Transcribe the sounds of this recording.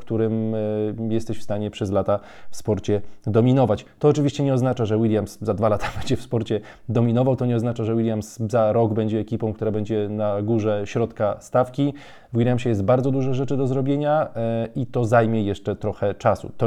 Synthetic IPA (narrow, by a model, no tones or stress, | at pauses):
kt̪uɾɘm | jɛst̪ɛɕfst̪aɲɛpʂɛzlat̪a | fspɔɾt͡ɕɛd̪ɔmʲinɔvat͡ɕt̪ɔːt͡ʂɘvʲiɕt͡ɕɛɲɛɔznat͡ʂaʐɛwilʲjamszad̪valat̪ʰḁbɛɲd͡ʑɛfspɔɾt͡ɕɛ | d̪ɔmʲinɔvawt̪ɔɲɛɔznat͡ʂaʐɛwilʲjamszaɾɔɡbɛɲd͡ʑɛːkʲipɔ̃w̃kt̪uɾabɛɲd͡ʑɛnaɡuʐɛɕɾɔt̪kast̪afkʲi | vwilʲjamɕɛjɛst̪̚baɾdzɔd̪uʐɛʐɛt͡ʂɘd̪ɔzɾɔbʲjeɲait̪ɔzajmʲjɛjɛʂt͡ʂɛt̪ɾɔxɛt͡ʂasṵt̪ɔ